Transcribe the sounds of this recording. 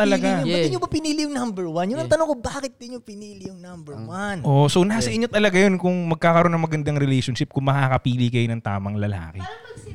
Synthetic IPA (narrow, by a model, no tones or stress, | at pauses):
t̪ɐlɐɡɪbɐd̪ɪɲobɐpɪniːlɪjʊŋnambɛɹwanjʊnɐŋt̪ɐnoŋkobaːkɪt̪̚d̪ɪɲɲopɪniːlɪjʊŋnambɛɹwanʔosonasɐʔɪɲːot̪ɐlɐɡajonkʊŋmɐɡ̚kaːkɐɾʔo̞nːɐŋmɐɡɐnd̪aŋɾɛlejʃonʃɪp̚kʊŋmɐkaːkɐpiːlɪkɐjonɐŋt̪a̰ːmɐŋlɐla̰ːkɛ